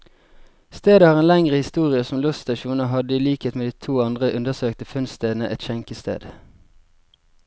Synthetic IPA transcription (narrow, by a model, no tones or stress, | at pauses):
st̪eːd̪əhɑːʁeːnlɛŋʁəhɪst̪uːʁɪəsɔm̩lʉsst̪ɑʃuːnəɦɑd̪əiːliːkheːt̪meːd̪iːt̪ʰuːɑnd̪ʁəʔʉnd̪əʁsøːkt̪əfʉnst̪eːd̪n̩əʔɛt̪çɛŋkəst̪ḛːd̪